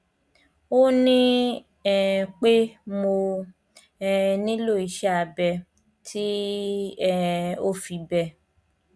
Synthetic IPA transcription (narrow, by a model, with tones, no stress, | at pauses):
o˦nĩ˦ | ɛ˨k͡pe˦mo˧ | ɛ˧nĩ˦lo˦˨i˨˧ʃɛ˦a˧bɛ˧ | tʰi˦ | ɛ˦o˦fi˧bɛ˧